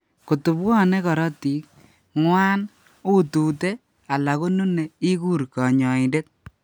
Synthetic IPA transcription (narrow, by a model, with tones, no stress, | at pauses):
ko˨tu˨bwɔ˦ne˦kɔ˨ɾɔ˦ti˨˦k̚ | ŋwaː˦n | u˦tu˨te˦ | a˨la˨ko˦nu˦ne˨i˦ku˦ɾkɔ˨ɲɔ˨i˨nde˦t̚